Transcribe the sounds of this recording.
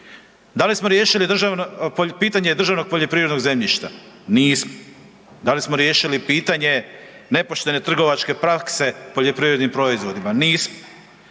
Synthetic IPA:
d̪alismo̞ɾje̞ːʃilid̪r̩ʒanpiːt̪aɲed̪r̩ʒaʋno̞ɡ̚poʎo̞pɾiːvɾed̪no̞ɡze̞mʎiʃt̪a̰ | niːsmo | d̪alismo̞ɾje̞ːʃilipiːt̪aɲe̞ne̞po̞ʃt̪e̞ne̞t̪r̩ɡo̞ʋat͡ʃke̞pɾakse̞poʎo̞pɾiːvɾed̪nimpɾo̞izʋo̞d̪imaniːsmo

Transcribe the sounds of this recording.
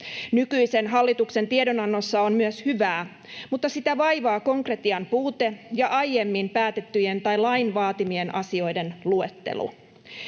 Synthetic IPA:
nykyise̞nɦɑlːit̪uksent̪iedo̞nɑnːo̞sːɑonmyøshyʋæː | mut̪ːɑsit̪æʋɑjʋɑːko̞ŋkre̞t̪iɑmpuːt̪e̞jɑʔɑjːe̞mːimpæːt̪e̞t̪ːyjent̪ɑjlɑinʋɑːt̪imie̞nʔɑ̰sio̞jde̞nlue̞t̪ːe̞̰lṵ

